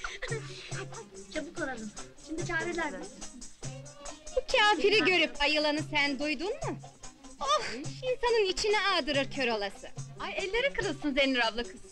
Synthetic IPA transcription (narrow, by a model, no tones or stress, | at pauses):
t͡ʃʰabuk̪ʰolˠalˠɯmʃimd̪it͡ʃʰaːɾilʲæɾd̪ɛ | b̥ucʰaːfiɾɛɟø̞ɾypajɯlˠanɯsænd̪ujd̪unmʊ | ohinsanɯnit͡ʃʰinɛaːd̪ɯɾɯɾcʰø̞ɾolˠasɯajɛlʲːe̞ɾikɯɾɯlˠsɯnzeniɾavlˠɯkʰɯz